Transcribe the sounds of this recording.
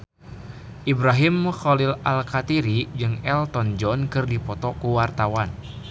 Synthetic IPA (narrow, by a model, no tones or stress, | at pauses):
ʔibɾaɦimxɔlilalkat̪iɾid͡ʒɨŋɛlt̪ɔnd͡ʒɔnkɨrdipɔt̪ɔkuwart̪awan